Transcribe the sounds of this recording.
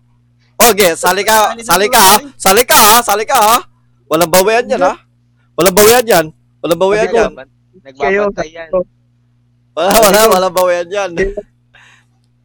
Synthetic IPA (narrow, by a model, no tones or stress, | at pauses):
oɡesalikasalikasalikasalika | walabaweand͡ʒana | walabaweand͡ʒan | walabaweanan | walawalawalabaweand͡ʒan